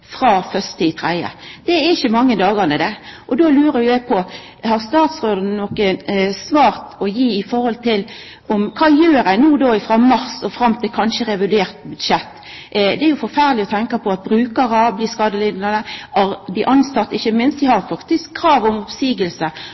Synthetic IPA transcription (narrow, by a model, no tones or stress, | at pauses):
fɾɑːfœst̪əɪt̪ʰɾæɪə̰d̪̥ɛæɪçːəmɑŋːəd̪ɑːɡɑnəd̪ɛʔɔd̪oːlʉːɾəjʊjæɪpʰɔ | hɑɾst̪ɑːt̪sʁoːd̪ɑnnɔkəsʋɑːɾt̪ɔjiːɪfɔɾhɔlt̪ʰɪl | ɔmkʰɑːjøːɾæɪnuːd̪oːɪfɾɑmɑɾsɔfɾɑmt̪ʰɪlkʰɑnʃəɾɛʋɪd̪eːɾt̪̚bʉd̪ʃɛt̪ː | d̪ɛæɾjʊfɔɾfæʁlɪɔt̪ʰɛŋkɑpʰɔɑt̪̚bɾʉːkəɾɑbliːskɑːd̪əlɪːd̪nɑnəɑɾb̪ɪʔɑnsɑt̪ːɪçːəmɪnst̪ʋɪhɑɾfɑkt̪ɪskʰːɾɑːʋɔmɔpsiːɡəlsə